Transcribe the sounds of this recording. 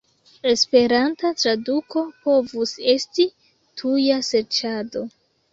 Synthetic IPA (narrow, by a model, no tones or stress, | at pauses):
e̞spe̞ɾantatɾaduko̞po̞vuse̞sti | tʰujase̞ɾt͡ʃado̞